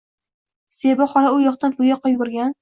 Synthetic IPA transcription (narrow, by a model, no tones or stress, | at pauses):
sebɒχɒɾaʊjɒχt̪anpʰʊjɒqːɑjɡʊɾɡʲan